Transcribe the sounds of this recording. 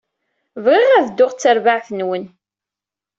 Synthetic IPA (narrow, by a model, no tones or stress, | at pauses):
vʁɪʁæðd̪ːʊʁt͡sːəɾvaʕθənwən